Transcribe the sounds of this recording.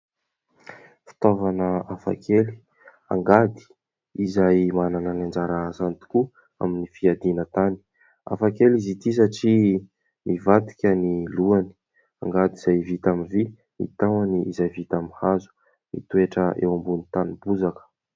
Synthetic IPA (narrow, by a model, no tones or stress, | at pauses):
fi̥t̪ovanəafa̰kʰeli̥ | a̰ŋɡad̪i̥ | izajmanananand͡ʒaɾasant̪u̥ku | a̰minifiad̪inət̪ani̥ | a̰fakelizit̪is̬aʈ͡ʂi | mivat̪i̥kʲəniluani̥ | a̰ŋɡad̪iz̥ajvit̪amivi | mḭt̪awaniizajvit̪amihazu̥ | mḭt̪ueʈ͡ʂəḛwambunit̪anibuzakə̥